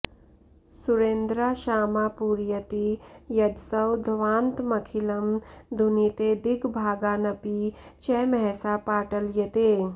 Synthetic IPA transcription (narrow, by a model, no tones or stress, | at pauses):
suɾeːnd̪ɾaʃaːmaːpuɾjɐt̪ijɐd̪sɐwd̪ʱʋãːnt̪mɐkʰilɐmd̪ʱunit̪ed̪iɡbʱaːɡaːnɐpit͡ʃɛmɛɦsapaːʈəljɐt̪eː